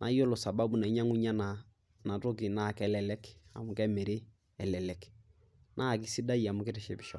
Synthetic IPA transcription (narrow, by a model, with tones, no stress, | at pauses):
nʔa̰˨˦jo˦lo˨sa˨ba˦bu˨na˨˦ɲa˦ŋu˦ɲa˦na˨ | na˨to˦kɪ˨na˦˨kɛ˦lɛ˨lɛ˦ka̰˨mʊ˨kɛ˦mɛ˨ɾe˦ | ɛ˨lɛ˨lɛ˨k | nʔa˦˨kɪ˦si˦da˦ja˨mʊ˨kɛ˦tɛ˨ʃɛ˨bi˨ʃɔ˨